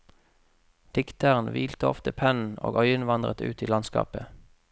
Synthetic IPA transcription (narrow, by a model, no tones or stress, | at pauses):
d̪̥ɪkt̪əʁn̩ʋiːlt̪əɔ̰ft̪əpʰɛnn̩o̰ːɡœʏənʋɑnd̪ʁət̪ʉ̰ːt̪iːlɑnskɑ̰ːpə